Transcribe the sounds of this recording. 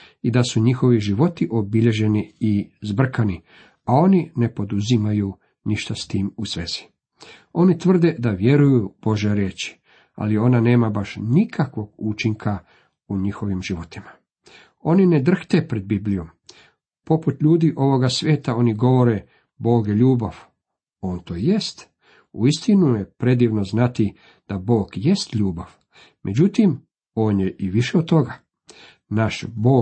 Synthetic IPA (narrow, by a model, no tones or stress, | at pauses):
id̪asuɲixo̞ʋiʒiʋo̞t̪iʔo̞biʎe̞ʒe̞niːzbr̩kani | ao̞nine̞po̞d̪uzimaju | niʃt̪ast̪iːmusʋḛːz̥i̥ | o̞nit̪ʋr̩d̪e̞d̪aʋje̞ɾujub̥o̞ʒeɾjeːt͡ʃi̥ | a̰lio̞nane̞ːmabaʃnikʰakʋo̞ɡut͡ʃiŋkʰa | uɲixo̞ʋimʒiʋo̞t̪ima | o̞nined̪r̩xt̪e̞pɾe̞d̪̚biblijo̞m | po̞put̪ʎuːd̪iʔo̞ʋo̞ɡasʋʲje̞ːt̪ao̞niɡo̞ʋo̞ɾe̞ | bo̞ːɡjeʎuːbaʋ | o̞ːnt̪oːje̞st̪ | uist̪inujepɾe̞d̪iːʋnoznat̪i | d̪̥abo̞ːɡje̞st̪ʎuːbaʋ | mʔed͡ʑut̪im | o̞ːnjeʔiʋiʃeod̪̚t̪o̞ɡa | naʃbo̞ː